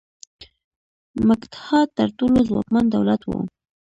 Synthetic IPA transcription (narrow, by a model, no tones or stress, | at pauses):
məkt̪hɑt̪ːaɾt̪olozwɑ̰kmand̪awlat̪wo̰